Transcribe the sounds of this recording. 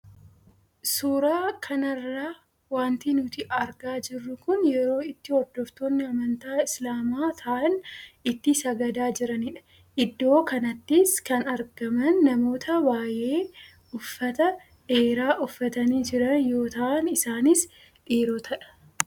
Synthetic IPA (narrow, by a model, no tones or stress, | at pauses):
suːɾaːkʰɐnɐrːaː | waːnt̪inʊt̪ɪʔɐɾɡaːd͡ʒɪrːʊkʊnjɛɾo̞ːɪt̪ːɪwɔd̪ːɔft̪oːnːɪɐmɐnt̪aːɪslaːmaːt̪ʰɐʔɐnɪt̪ːɪsɐɡɐd̪aːd͡ʒɪɾɐnɪᶑɐ̥ | ʔɪd̪ːo̞ːkɐnɐt̪ːɪskɐnɐɾɡɐmɐnːɐmo̞ːt̪ʰɐbaːje̞ː | ʊfːɐt̪ɐ | ᶑe̞ːɾaːʔʊfːɐt̪ɐniːd͡ʒɪɾɐnjo̞ːt̪ɐʔɐnɪsaːnɪs | ᶑiːɾɔt̪ʰɐᶑɐ̥